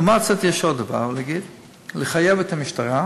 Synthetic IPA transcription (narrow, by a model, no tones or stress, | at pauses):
maʁkt͡sat̪jɛʃhod̪ava̰ʁlaɡid̪ | leχajavɛt̪amiʃtaʁa